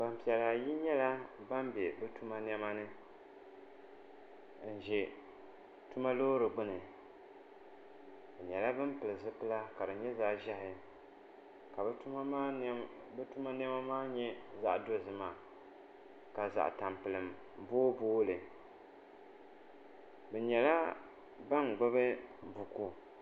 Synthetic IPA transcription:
ba˨m˨pi˨ɛ˨la˨ji˦ɲɛ˦la˦ba˦mbɛ˨bɛ˦tu˦ma˦n˦ɛ˦ma˦nɨ˦ | n̩˨ʒɛ˨ | tu˦ma˦loː˦ɾɨ˨ɡ͡bʊ˦nɨ˨ | ɲɛ˨la˦bɨ˦m˦pɨ˨lɨ˨zɨ˦pɨ˦la˦ka˨dɨ˨ɲɛ˦zaː˦ʒa˦hɪ˨ | ka˨˦ | bɨ˦tu˦ma˦nɪ˦a˦ma˦maː˦ɲɛ˦za˦ʔdo˦˨zɨ˨ma˨ | ka˨za̰˨ʔta˨mpɨ˨lɨ˨m˨ | boː˦boː˦lɨ˨ | bɛ˨ɲɛ˨la˦ | ba˦ŋ˨ɡ͡ba˦βɨ˦˨bu˨ku˦

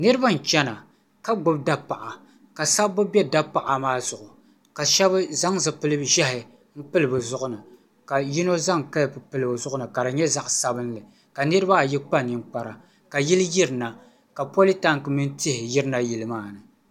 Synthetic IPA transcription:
nɨ˦ɾɨ˦ba˦n̩˨t͡ʃɛ˦na˨ | ka˦ɡ͡bʊ˦b̚da˦pa˨ʔa˨ | ka˨sa˦bːɨ˦bɛ˦da˦pa˨ʔa˨maː˦zʊ˨ʔʊ˨ | ka˨ʃɛ˦bɨ˦za˦ŋzɨ˨pɨ˦lɨ˦bʒɛ˦ɦɪ˨ | m̩˦pɨ˦lɨ˨bɨ˨zʊ˦ʔʊ˦nɨ˨ | ka˨ji˦no˦za˦ŋka˦lpɨ˨pɨ˦lɨ˨bɨ˨zʊ˦ʔʊ˦nɨ˨ka˨ɾɨ˨ɲɛ˦za˦ʔsa˦bɨ˦n˦lɨ˨ | ka˨nɨ˦ɾɨ˦ba˦˨ji˦k͡pa˦nɨ˨m˦k͡pa˨ɾa˨ | ka˨ji˦lɨ˦ji˦ɾɨ˨na˨ | ka˨po˦li˦ta˦ŋ˨kɨ˨mɨ˦n˦tɪ˦hɪ˨jɪ˦ɾɨ˦na˦ji˨lɨ˦maː˦˨nɨ˨

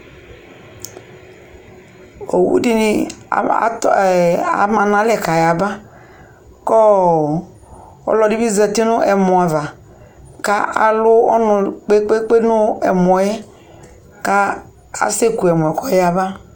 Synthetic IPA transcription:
o˨wṵ˦di˦ni˨˦ | a̰˨mã˨nã˨˦lɛ˨ka˨ja˨ba˦ | kɔ˦ | ɔ̰˦lɔ˨di˦bi˦zɛ˨ti˦nʊ̃˦ʔɛ˨mɔ̃˨a˨va˨ | ka˦ʔa̰˨lʊ˦ɔ̰˦nʊ̃˨k͡pe˦k͡pe˦k͡pe˦nʊ˦ɛ˨mɔ˨jɛ˦ | ka˦ | a̰˨se˦ku˨ɛ˨mɔ˨ɛ˨kɔ˦ja˨ba˦

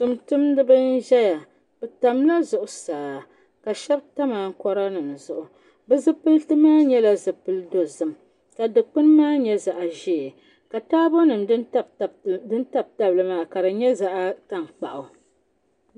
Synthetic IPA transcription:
tɨ˨mtʊ˦mdɨ˦bɨ˦n˦ʒɛ˦ja˨ | b̥ɛ˨ta˨mla˦zʊ˨ʔʊ˨saː˨ | ka˨ʃɛ˦bta˦ma˨ŋ̩˦kɔ˦ɾa˦nɨ˨m˨zʊ˨ʔʊ˨ | bɨ˦zɨ˦pɨ˦ltɨ˦maː˦ɲɛ˦la˦zɨ˨pɨ˦ldo˨zɨ˨m | ka˨dɨ˨k͡pɨ˦nmaː˦ɲɛ˦za˨ʔa˨ʒi˨ | ka˨taː˦bo˦nɨ˨mdɨ˦n˦˨dɨ˦nta˦b̚ta˦bɨ˨lɨ˨maː˨ka˨dɨ˨ɲɛ˦za˦ʔa˦ta˦m˨k͡pa̰˨ʔʊ˨

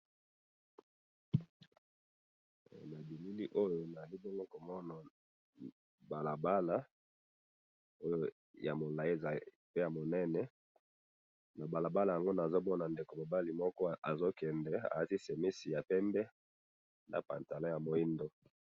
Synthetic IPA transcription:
na˨bi˨mi˦li˦ʔo˦jo˨na˨li˦bɔ˦ŋɡo˦ko˨mɔ˦na˨ | ba˨la˨ba˦la˦ | o˦jo˦ | ja̰˨mo˨la˨e˦˨za˨ | pe˦ja˨mo˨nɛ˦nɛ˨ | na˨ba˨la˨ba˦la˨ja˨ŋɡo˦na˨zo˦bɔ˦na˨nde˨ko˨mo˨ba˦li˨mɔ˦kɔ˦a˨zo˦kɛ˨ndɛ˨a̰˨ja˦ti˦se˨mi˦si˨ja˨pɛ˦mbɛ˦ | na̰˨pa̰˨nta˨lɔ̃˦ja˨mo˨i˦ndo˦

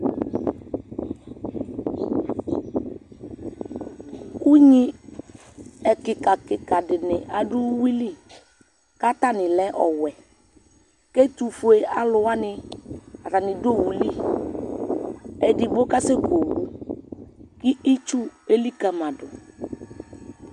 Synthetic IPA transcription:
ku˦ɲi˦ | ɛ˨kɪ˨ka˨kɪ˨ka˨dɪ˨nɪ˨ʔa˨dʊ˦wi˦li˦ | ka˦ta˦˨nɪ˨lɛ˦ʔɔ̰˨wɛ˨ | ke˦tu˨fu˨e˨a˦lʊ˨wa˦nɪ˨a˨ta˨nɪ̃˨do˦˨wu˨li˦ | ɛ˨di˨bʊ˦ka˦se˦ko˨wu˨ | kɪ˦i˦t͡ʃu˦e˨li˦ka˨ma˨dʊ˨

